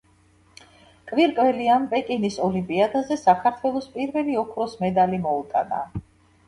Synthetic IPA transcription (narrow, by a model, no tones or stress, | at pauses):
kʼviɾkʼvɛlianpʼɛkʼinisɔlimpʼiad̪azɛsakʰaɾt̪ʰwɛlˠɔspʼiɾvɛliɔkʰɾɔsmɛd̪alimɔut̪ʼa̰na̰